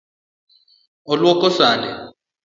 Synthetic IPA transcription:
ɔlwɔkʼɔsaːndɛ

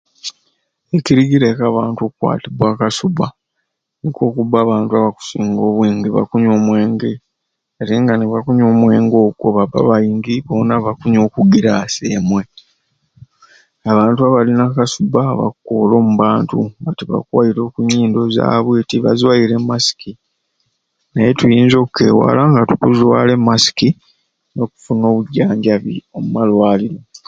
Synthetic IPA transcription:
eciɾiɡiɾekaːβaːntuokukwa̰ːtibwaːkasuba | niko̞ːkubaːβaːntuaβaku̥siːŋɡo̞ːβwiːŋɡiβa̰kuɲo̞ːmwe̞ːŋɡe̞ | aɾiːŋɡaneβakuɲoːmwe̞ːŋɡo̞ːɡwo̞βava̰βajiːŋɡiβoːnaβakuɲo̞ːkuɡiɾasemwe̞ | aβaːntuaβalinakasubaβa̰koːlo̞ːmuβaːntuŋɡatiβa̰kwa̰jiɾo̞ːkuɲːiːndo̞za̰ːβwiːtiβa̰zwajiɾe̞mːasi̥ki | najetujiːnzo̞kke̞̰ːwa̰ːlaŋɡatukuzwaːle̞mːasi̥ki | no̞ku̥funo̞ːβuɟaːɲɟaβḭomumalwaːlilo

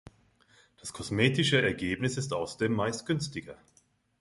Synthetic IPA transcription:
d̥askʰɔsmeːtɪʃəɛɐɡeːpnɪsɪstʔaʊsɐdeːmːaɪst̚ɡ̥ʏnstɪɡɐ

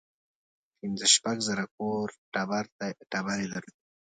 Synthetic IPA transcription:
pɪnzəʃpaɡzaɾak̚oɾʈabaɾt̪aʈabaɾed̪aɾud̪i

